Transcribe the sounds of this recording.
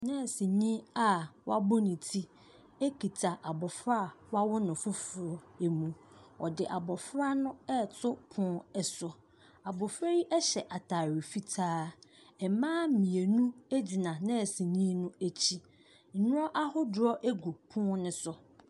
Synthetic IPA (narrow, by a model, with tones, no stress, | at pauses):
nɛ̃˦˨sĩ˨ɲĩ˦a˨wa˦bʊ˦nɪ̃˨tʰi˦ | e˦kʰi˨tʰa˨ʔa˨bɔ˨fɾa˦˨wa˦wʊ˦nʊ̃˨fʊ˦fʊ˨ɾɔ˨e˨mũ˨ | ɔ̰˨dɪ˨ʔa˨bɔ˨fɾa˦nʊ̃˦ɛ˦tʰʊ˦pʰʊ̃˦ɛ˨sʊ˨ | a˨bɔ˨fɾa˦ji˦ʔɛ˦ɕɛ˨ʔa˨tʰa˨ɾi˨fi˦tʰaː˦ | ɛ˨mãː˦mĩ˨e˨nũ˦æ˦d͡ʑi˨nã˨nɛ̃˦˨sĩ˨ɲĩ˦nʊ̃˦æ˦t͡ɕʰi˦ | n̩˨nʊ̃˦ɔ˦ʔa˦hʊ˦dɾɔ˦ʔe˦ɡu˨pʰʊ̃˦nʊ̃˦sʊ˨